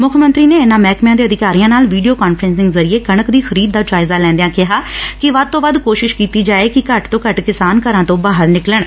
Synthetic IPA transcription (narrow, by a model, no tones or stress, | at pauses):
mʊkʰmə̃nt̪ɾiːneːenãːmɛːkmjãːd̪eːəd̪ɪkaːɾijãːnaːlʋiːɖijoːkaːnfɾɛnsɪ̃ŋɡəzəɾɪeːkəɳ̃əkd̪iːxʰəɾiːd̪̚ːaːd͡ʒaːɪzaːlɛ̃ːnd̪ejãːkɪɦaːkɪʋəd̪̚t̪õːʋəd̪koːʃɪʃkiːt̪iːd͡ʒaːeːkɪkəʈt̪õːkəʈkɪsaːnkəɾãːt̪õːbaːɦəɾnɪkləɳ